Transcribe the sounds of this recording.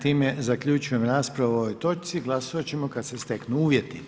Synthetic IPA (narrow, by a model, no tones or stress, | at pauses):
t̪iːmezakʎut͡ʃuje̞mɾaːspɾaʋooojt̪o̞t͡ʃ̪siɡlˠasoʋat͡ɕemo̞kad̪sest̪e̞knuuːʋjet̪i